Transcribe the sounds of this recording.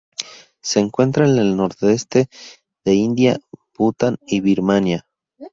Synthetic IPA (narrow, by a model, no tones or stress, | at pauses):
se̞ːŋkwe̞nt̪ɾaene̞lno̞ɾt̪e̞st̪e̞ | ðe̞ind̪japut̪aniβiɾmanja